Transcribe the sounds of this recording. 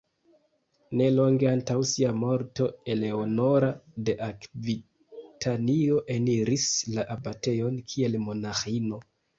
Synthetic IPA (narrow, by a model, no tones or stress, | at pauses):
ne̞lo̞ŋɡeantawsiamo̞ɾto̞e̞le̞ono̞ɾade̞ʔakvi | tʰanioʔe̞niɾislaʔabate̞jo̞nkʰie̞lmo̞naxino̞